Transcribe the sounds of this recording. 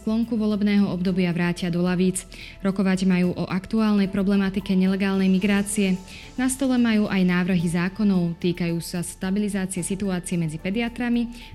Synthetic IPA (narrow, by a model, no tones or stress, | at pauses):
klɔŋkuʋɔlɛbnɛːɦɔɔbd̪ɔbɪaʋɾaːcɪad̪ɔlaʋiːt͡s | ɾɔkɔʋaɟmajuːʔɔʔakt̪uaːlnɛjpɾɔblɛmat̪ikɛɲɛlɛɡaːlnɛjmiɡɾaːt͡siɛ | nast̪ɔlɛmajuːʔajnaːʋr̩ɦizaːkɔnɔʊt̪iːkajuːsast̪abilizaːt͡siɛsit̪uaːt͡siɛmɛd͡zipɛd̪iat̪ɾami